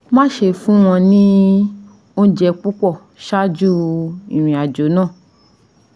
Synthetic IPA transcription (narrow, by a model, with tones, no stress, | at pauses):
mã˦ʃe˧fũ˦w̃ɔ̃˧nĩ˦ | o˦n̩˦d͡ʒɛ˧k͡pu˦k͡pɔ˦˨ | ʃa˦d͡ʒu˦i˨ɾ̃ĩ˨a˨d͡ʒo˨˦nã˦˨